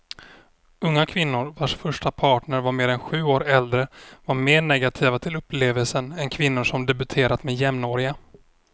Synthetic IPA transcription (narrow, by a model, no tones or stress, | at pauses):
ɵŋːakʰvɪnːʊɾvaʂfœʂʈapʰɑːʈɳəɾvaɾmeːɾɛnɧʉ̟ːoːɾɛld̪ɾəvaɾmeːɳɛɡat̪ʰiːvat̪ʰɪlɵpleːvəlsənɛnkʰvɪnːʊʂɔmd̪ɛbɵt̪ʰeːɾat̪mɛːjɛmnoːɾɪɡa